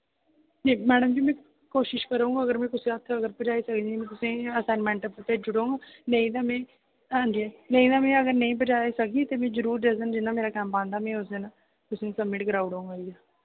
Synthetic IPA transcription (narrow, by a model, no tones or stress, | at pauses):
neːmɛːɖəmd͡ʒiːmɛ̃ː | koːʃɪʃkəɾoũːŋɡaːɡəɾmɛ̃ːkʊsẽːət̪ʰəɡəɾpəd͡ʒaːisəkd̪imɛ̃ːt̪ʊsẽːəsaːnmɛ̃ːɳʈəpət̪eːd͡ʒʊɽoːŋɡaːnẽĩːd̪aːmɛ̃ː | ãːnd̪iɛːnẽĩːd̪aːmɛ̃ːəɡəɾnəĩːbəd͡ʒaːisəkiːt̪eːmɛ̃ːd͡ʒəɾuːɾd͡ʒəzənd͡ʒɪnːãːmeːɾaːkɛ̃ːmpãːnd̪aːmɛ̃ːʊsd̪eːnaː | k̪ʊsẽːsəbmɪʈɡəɾaːuɽõːŋɡaijaː